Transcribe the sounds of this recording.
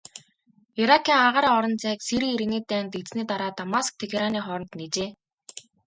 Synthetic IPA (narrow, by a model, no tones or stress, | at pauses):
iɾakʰːiːŋaʁaːɾiːɔɾɞ̆nt͡sæːkseɾɘ̆keɾɘ̆neːt̪æːnt̪et͡sniːt̪aɾaːt̪amask̚t̪ʰexeɾaniːχɔɾɞ̆nt̪net͡ɕeː